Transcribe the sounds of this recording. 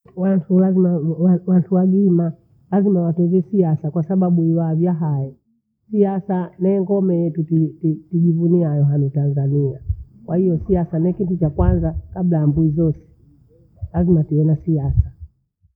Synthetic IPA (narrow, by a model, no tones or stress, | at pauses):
wantʰulazimaawantʰuwaɡima | lazimawatɛzɛsiasakwasaɓaɓuiwaːvjaɦajɛ | siasanɛŋɡɔmɛjɛtutititiɡivuniajɔɦanitanzaniakwahijɔsiasanɛkitut͡ʃakwanzakablajambuizɔsɛ̥ | lazimatiɛnasiasa